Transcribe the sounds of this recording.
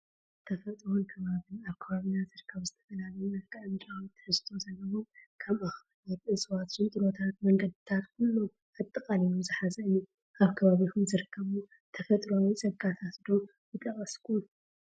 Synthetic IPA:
t̪ʰɐfɐt̪ʼɾonkʰɐβaβɨnaβkʰɐβaβɨnazɨɾkʰːɐβzɨt̪ʰɐ̥fɐlalɨunaβkʼɐmt͡ʃʼat̪ʰɨ̥ħɨzt̪ʰo̞zɐlːɐβokʰɐmaxβɐlɛt̪ɨsʼwat̪ʃɨnt̪ʼɨɾo̞t̪ʰat̪mɐŋɡɐd̪ɨt̪ʰat̪kʰulːo | at̪ʼːɨkʼalinuzɨħazɐɨni | ʔaβkʰɐβaβikʰumzɨɾɨkʰːɐβu | t̪ʰɐfɐt̪ʼɾonit͡sʼɐɡat̪ʰat̪d̪o̞ | bɨt̪ʼɐkʼɐskʼu

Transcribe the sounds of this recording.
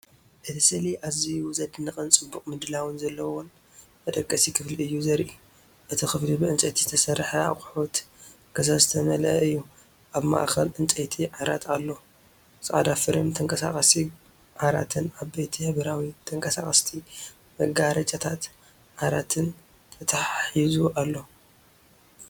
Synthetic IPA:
ʔɨt̪ʰi̥sɨliʔaziuzɐd̪ɨnːɨkʼɨnt͡sʼɨbːukʼmɨd̪ɨlawɨnzɐlːɐwon | mɐd̪ɐkʼːɐsikʰɨfliɨjːuzɐɾʔu | ʔɨt̪ʰixɨflibɨʔɨnt͡sʼɐt̪ʰizɨt̪ʰɐsɐrħɐa̰χʼħot̪ | kʰɐzazɨt̪ʰɐmɐlɐɨjːu | ʔaβma̰ʔkʰɐlʔɨnt͡sʼɐt̪ʰiʕaɾa̰t̪ʰalːo | sʼɨʔa̰d̪afɨɾɨmt̪ʰɐŋkʼɐsa̰kʼɐsi | ʕaɾa̰t̪ʰɨnaβbejt̪ʰihɨβɐɾawit̪ʰɐŋkʼɐsa̰kʼɐst̪ʰi | mɐɡaɾɐt͡ʃʼat̪ʰat̪ | ʕaɾat̪ʰɨn | t̪ʰɐt̪ʰaħizuʔalːo̞

